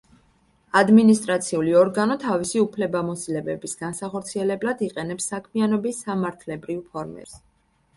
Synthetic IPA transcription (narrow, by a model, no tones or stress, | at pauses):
ad̪minist̪ʼɾat̪sʰiuliɔɾɡanɔt̪ʰavisiupʰlɛbamɔsilɛbɛbisɡ̥ansaχɔɾt̪sʰiɛlɛblad̪iqʼɛnɛpsːakʰmianɔbisːamaɾt̪ʰlɛbɾivpʰɔɾmɛ̰ɾs